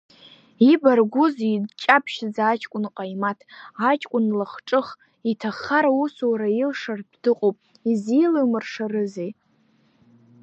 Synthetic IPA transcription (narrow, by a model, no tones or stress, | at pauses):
ibarɡʷʊzidt͡ʃʼapʰʃd͡zaːt͡ʃʼkʷʼʊnqʼajmatʰat͡ʃʼkʷʼʊnlaχʈ͡ʂʼɨχ | itʰaχaɾausuwɾajilʂarddɨqʼowpʼ | izilɨmɨrʂarɨzej